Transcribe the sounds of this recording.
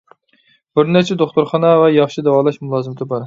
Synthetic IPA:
b̥ɪɾnæɾt͡ʃʰɛd̪oχt̪oɾχɑnɑvɛjɑχʃid̪ɛwɑlˠɑʃmulˠɑːzɨmt̪ʰɪbɑɾ

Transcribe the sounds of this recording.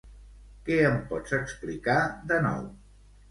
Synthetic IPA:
kɛəmpɔt͡səksplikaðənɔ̰w

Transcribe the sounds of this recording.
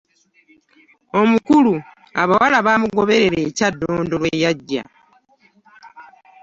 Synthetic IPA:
o̞mukulu | aβawalaβaːmuɡo̞βe̞ɾe̞ɾe̞ːcadːo̞ːndo̞lweːjaɟːa̰

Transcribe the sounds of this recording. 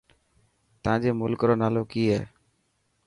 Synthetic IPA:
t̪əãːd͡ʒeːmʊlkɾoːnaːloːkiːɦɛː

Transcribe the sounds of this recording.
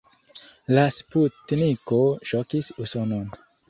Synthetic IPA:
lasputnikoʃokisusonon

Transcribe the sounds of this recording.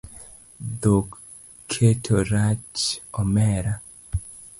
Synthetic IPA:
d̪okːʰ | etʰoɾat͡ʃɔmɛɾa

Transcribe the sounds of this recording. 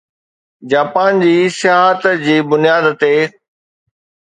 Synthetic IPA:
d͡ʑaːpaːnd͡ʑiːsɪjaːɦət̪d͡ʑiːbʊnijaːd̪t̪e

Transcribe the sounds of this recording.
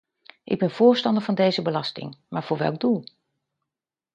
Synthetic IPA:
ʔɪ̰ɡ̚bɛnv̥ʊːɹstɑndəɹvɑndejzəbəlɑstɪ̰ŋmaːɹv̥ʊːɹʋɛ̰lˠɡ̚dulˠ

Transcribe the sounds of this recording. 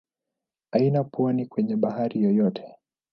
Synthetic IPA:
ainapuɔnikwɛɲɛɓahaɾijɔjɔtʰɛ̥

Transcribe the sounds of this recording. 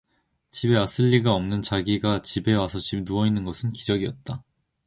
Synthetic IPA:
t͡ɕibe̞as͈ɯʎːiɡaʌmnɯnt͡ɕaɡiɡat͡ɕibe̞wasʰʌt͡ɕib̚nuʌinːɯnɡʌsʰɯnkid͡ʑʌɡiʌt̚t͈a

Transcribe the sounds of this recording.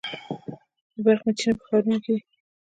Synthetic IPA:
d̪əbaɾxmat͡ʃinapə̥xɑɾunke

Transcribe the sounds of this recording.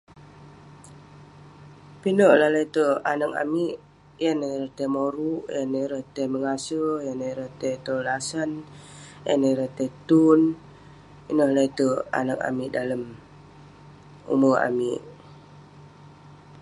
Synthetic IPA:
pinəʔlahlait̪əanək̚a̰miʔ | janəɾəht̪emoɾuʔjanəɾəht̪eməŋasəjanəɾət̪et̪olasən | ja̰nəɾət̪et̪un | inəhlait̪əa̰nəka̰miʔdaləm | ṵməa̰miʔ

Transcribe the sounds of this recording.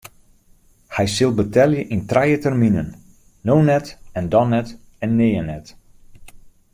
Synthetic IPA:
hɛjsɪlˠbətɛljəʔintrɛjətɛrminə̰nː | ownɛtɛndɔnɛt | ɛnːeːənɛt

